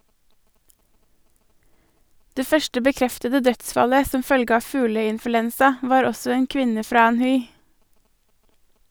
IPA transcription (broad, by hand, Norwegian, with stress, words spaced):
ˈdeː ˈfœʃʈə bəˈkɾɛftədə ˈdœtˌsfɑlə ˈsɔm ˈfœlɡə ˈɑː ˈfʉːləɪnfʉˌlɛnsɑ ˈʋɑːɾ ˈɔsɔ ˈeːn ˈkʋɪnə ˈfɾɑː ˈæːnˌhʉɪ